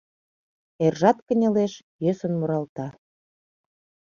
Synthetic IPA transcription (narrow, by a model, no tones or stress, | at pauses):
erʒɑt̪kə̆nʲə̆leʃ | jøsə̆nmuɾɑlt̪ɑ